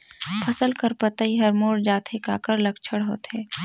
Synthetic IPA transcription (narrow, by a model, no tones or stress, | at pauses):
pʰɐsəlkəɾpɐt̪aiɦɐɾmoːɽd͡ʒaːt̪ʰeka̰ːkəɾlɐkt͡ʃʰəɽɦo̰ːt̪ɦɛː